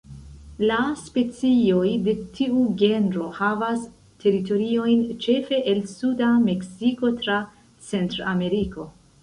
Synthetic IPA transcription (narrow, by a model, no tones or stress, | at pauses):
laspe̞t͡sio̞jde̞tʰiuɡe̞ndɾo̞havas | tʰe̞ɾito̞ɾio̞jnt͡ʃe̞fe̞ʔelsudame̞ksiko̞tɾa | t͡se̞ntɾoame̞ɾiko̞